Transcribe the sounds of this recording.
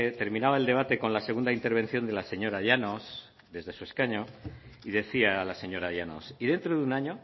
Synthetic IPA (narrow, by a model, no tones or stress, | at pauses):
et̪e̞ɾmĩnaβaeld̪e̞β̞at̪e̞ko̞nlase̞ɣund̪aint̪e̞ɾβ̞e̞nθjo̞nd̪e̞lase̞ɲo̞ɾaʎano̞s | d̪e̞zðe̞sue̞skaɲo̞iðe̞θiaːlase̞ɲo̞ɾaʎano̰sið̞e̞nt̪ɾoðunaɲo̞